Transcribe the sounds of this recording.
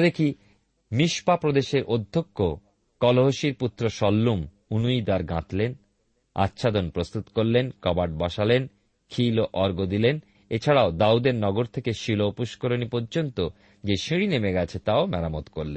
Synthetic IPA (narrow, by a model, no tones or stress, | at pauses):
d̪ekʰi | miʃpapɾod̪eʃeɾʔod̪ʱːokːo | kɔloɦoʃiɾput̪ːɾoʃɔlːum | unujd̪aɾɡã̰t̪len | a̰tːɕʰad̪onpɾost̪ut̪koɾlenkɔbaɖ̚baʃalen | kʰiloʔɔɾɡod̪ilen | et͡ɕʰaɽaod̪aud̪eɾnɔɡoɾt̪ʰekeʃilopuʃkoɾonipoɾd͡ʑont̪o | d͡ʑeʃiɽinemeɡɛt͡ɕʰet̪aomɛɾamot̪koɾlen